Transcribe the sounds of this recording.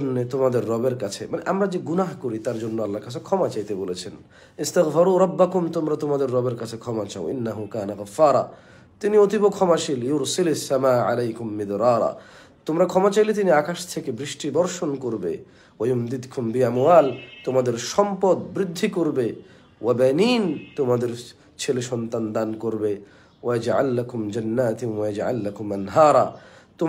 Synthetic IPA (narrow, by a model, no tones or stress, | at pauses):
nːet̪omad̪eɾːɔbeɾkat͡ɕʰemaneʔamɾad͡ʑeɡunaɦkoɾit̪aɾd͡ʑonːoalːaɾkat͡ɕʰekʰɔmat͡ɕajt̪ebolet͡ɕʰen | ist̪aɣfaɾuːɾˤɑbːakumt̪omɾat̪omad̪eɾːɔbeɾkat͡ɕʰekʰɔmat͡ɕaw̰̃ʔḭnːaɦukaːnaɣɐfːaːɾˤɑ̰ | t̪iniot̪ibokʰɔmaʃʰiljʊɾsilasːamaːʕa̰lejkʊmːɪd̪ɾɑːɾɑ̰ | t̪omɾakʰɔmat͡ɕajlet̪̬iniakaʃt̪ʰekebɾiʃʈid̪ɔɾʃonkoɾbḛ | wajumd̪id̪kʊmbiamwaːlt̪omad̪eɾʃɔmpod̪̚bɾid̪ʱːikoɾbe | wabɛniːnt̪omad̪eɾ | t͡ɕʰeleʃɔnt̪and̪ankoɾbe | waad͡ʒʕa̰lːakʊmd͡ʑanːaːt̪wajad͡ʒʕa̰lːakʊmanɦaːɾˤɑt̪o